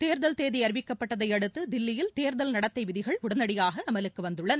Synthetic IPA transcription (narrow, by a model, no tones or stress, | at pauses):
t̪eːɾðɐlt̪eːðiɐɾɪʋɪkːɐpːɐʈːɐðɐɪɐɽɯt̪ːɯd̪ɪlːɪjɪlt̪eːɾðɐlnɐɽɐt̪ːɐɪʋɪðɪɣɐɭʊɽɐnɐɽɪjaːɣɐɐmɐlɯkːɯʋɐnd̪ɯɭːɐnɐ